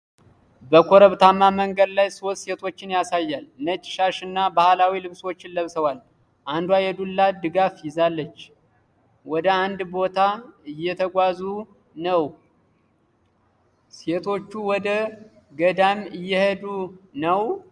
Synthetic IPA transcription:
bəkʰoɾəβt̪ʰamːaməŋɡəd̪lajso̞t̪se̞t̪ʰo̞t͡ʃːɪnjasajːalnət͡ʃʼɪ̥ʃaʃɨnːabahlawilɨβswot͡ʃːɪnləβsəwal | ʔand̪uajɛd̪ulːad̪ɨɡafjɪzalːət͡ʃː | wɔd̪əand̪bo̞t̪ʰaɨjːɛt̪ʰəɡʷazu | nəw | se̞t̪ʰo̞t͡ʃːuwɔd̪ə | ɡəd̪amɨjːɛhed̪unəw

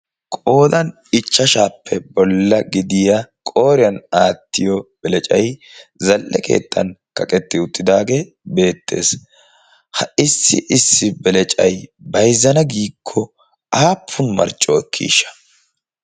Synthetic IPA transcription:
kʼo̞ːd̪ɐn | ɪt͡ʃːɐʃaːpʰːɛbɔlːɐɡɪd̪ɪjɐkʼo̞ːɾɪjɐnaːt̪ːɪjɔb̥ɛlɛt͡ʃʼɐj | zɐlʔɛkʰḛːt̪ːɐ̰nkɐkʼɛt̪ːɪʊt̪ʼːɪd̪aːɡe̞ | be̞ːt̪ʰːe̞̰ːs | hɐʔɪsːɪʔɪsːɪbɛlɛt͡ʃʼɐjbɐjzːɐnɐɡiːkʰːɔ | aːpʰːʊnmɐ̰ɾt͡ʃʼːɔɛkʰːḭːʃːɐ̥

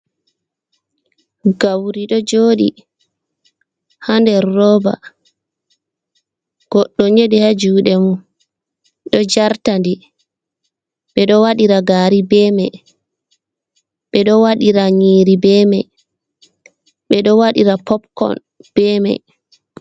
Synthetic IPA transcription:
ɡawɾiɗɔd͡ʒoːɗḭ | handɛɾːɔːba̰ | ɡ̥ɔɗːɔɲeɗihad͡ʒuːɗɛmu | ɗɔd͡ʒaɾtandi | ɓɛɗɔwaɗiɾaɡaːɾibɛːmɛj | ɓɛɗɔwaɗiɾaɲiːɾibɛːmɛj | ɓɛɗɔwaɗiɾapɔpkɔ̰n | b̥ɛːmɛ̰j

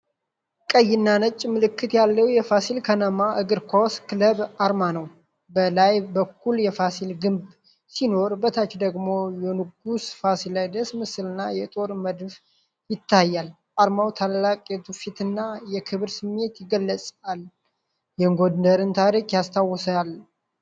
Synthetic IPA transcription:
kʼəjːɪnːanət͡ʃʼːmɨlɨkːɨt̪jalːəwjɛfasilkʰənəmaʔɨɡɨɾkʰoskɨləβaɾmanəw | bəlajbəkʰːuljɛfasilɡɨmb | sino̞ɾbət̪ʰat͡ʃd̪əɡmo̞jɛnɨɡusfasiləd̪əsmɨsɨlɨnːajɛt̪ʼo̞ɾməd̪f | jɪt̪ʰːajːal | ʔaɾmawt̪ʰalːakʼɛt̪ʰufit̪ɨnːajɛkʰɨβɨɾsɨmːe̞t̪jɪɡəlːəsʼal | jɛŋɡod̪nəɾɨnt̪ʰaɾikʼjast̪ʰawːɔsal

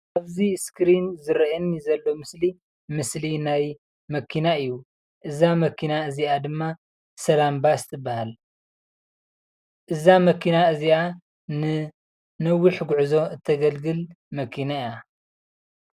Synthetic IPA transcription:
ʔaβziskɾinzɨɾɐʔɨnizɐlːo̞mɨsli | mɨslinaj | mɐkʰinaɨjːu | ʔɨzamɐkʰːinaɨziʔad̪ɨmːa | sɐlambast̪ʼɨbːahal | ʔɨzamɐkʰinaɨzia | nɨ | nɐwːiħɡuʕzo̞ɨt̪ʰːɐɡɐlɡɨl | mɐkʰinaia

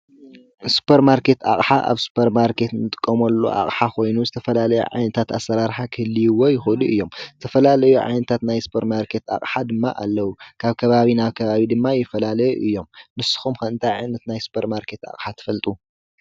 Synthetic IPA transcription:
su̥pʰeɾmaɾke̞t̪a̰χʼħaʔa̰βsu̥pʰeɾmaɾkʰe̞t̪nɨt̪ʼɨ̥kʼːɐmɐlːo̰ʔa̰χʼħakʰo̞jnuzɨt̪ʰɐfɐlalɐjṵʕa̰jnɐt̪ʰat̪asːɐɾaɾħakʰɨhɨlːijuwojɪxoluɨjːo̞mzɨt̪ʰɐfɐlalɐjuʕa̰jnɐt̪ʰat̪najsu̥pʰɐɾmaɾkʰe̞t̪a̰kʼħad̪ɨmːa̰ʔalːɐwukʰaβkʰɐβaβinaβkʰɐβaβid̪ɨmːajːɪfɐlalɐjɛʔɨjːo̞mnɨsɨ̥xumkʰɐɨnt̪ʰajʕajnɐt̪najsu̥pʰeɾmaɾkʰe̞t̪a̰χʼħat̪ʰɐ̥fɐlt̪ʼu

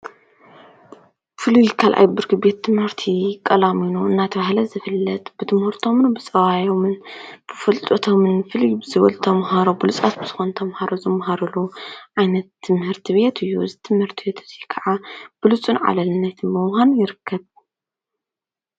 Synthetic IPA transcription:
fɨlujkʰalʔa̰jbɨɾkʰɨbe̞t̪ʰːɨmhɨɾt̪ʰikʼɐlaminuɨnːat̪ʰɐβahlɐzɨfɨlːɐt̪ʼb̥ɨt̪ʰɨmhɨɾt̪ʰo̞mɨnbɨt͡sʼɐβajo̞mɨnb̥ɨfɨlt̪ʼɐt̪ʰomɨnfɨlujbɨzɨβɐ̰lt̪ʰɐmɦaɾobɨlut͡sʼat̪̚bɨz̥ɨxo̞nt̪ʰɐmhaɾozɨmɦaɾɐluʕajnɐt̪ʰːɨmhɨɾt̪ʰiβe̞t̪ʰɨjːuzɨt̪ʰɨmhɨɾt̪ʰibe̞t̪ʰɨzikʰɐʕab̥ɨlut͡sʼunʕa̰lɐlɨnːɐt̪ʰmɨwhanjɪɾɨkʰːɐβ

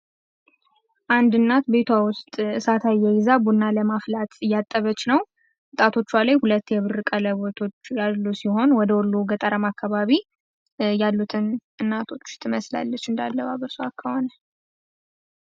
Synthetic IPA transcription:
ʔand̪ɨnːat̪be̞t̪ʰawʊst̪ʼɨsat̪ʰajːɛjɪzabunːaləmaflat̪ʰɨjːat̪ʼːəβət͡ʃːnəw | wɨt̪ʼat̪ʰo̞t͡ʃːwalajhulət̪ːjɛβɨɾɨkʼələβo̞t̪ʰo̞t͡ʃːjalːusiho̞nwɔd̪əwɔlːuɡət̪ʼəɾəmakʰːaβaβi | jalːut̪ʰɨnɨnːat̪ʰo̞t͡ʃːt̪ʰɨməsla̰lːət͡ʃːɨnd̪a̰lːəβaβəɾsoakʰːəho̞nə

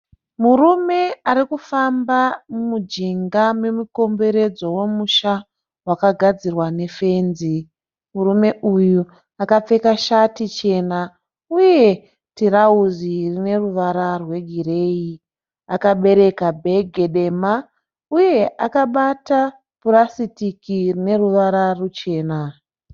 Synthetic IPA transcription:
murume̞aɾikufambamumud͡ʒiŋɡame̞muko̞mbe̞ɾe̞d͡zo̞we̞muʃa | wakaɡʱad͡zirwane̞fe̞ːnzi | muɾume̞ʔuju | akap͡fe̞kaʃatit͡ʃe̞na | uje̞ | tiɾauzirine̞ruʋaɾarwe̞ɡʱiɾe̞ːi | akaɓe̞ɾe̞kabʱe̞ɡʱe̞ɗe̞ma | uje̞akaɓata | puɾasitikirine̞ruʋaɾarut͡ʃe̞ːna

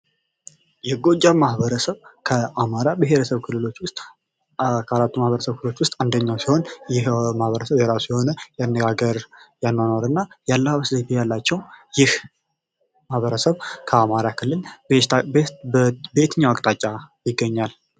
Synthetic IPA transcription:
jɛɡo̞d͡ʒːamahbəɾəsəβkʰəamaɾabɨɦe̞ɾəsəβkʰɨlːɨlo̞t͡ʃːwʊst̪ʼ | kʰaɾat̪ːumahβəɾəsəβkɨlɨlot͡ʃːwʊst̪ʼand̪əɲːawsihonjɪhmahβəɾəsəβjɛɾasiho̞nəjanːəɡaɡəɾjanːanoɾɨnːajalːəhaβəszet̪ʰejalːat͡ʃːɛwjɪh | mahβəɾəsəβkʰəamaɾakʰɨlːɨlb | be̞t̪ʰɨɲːawakʼt̪ʼat͡ʃʼːajɪɡːəɲːal

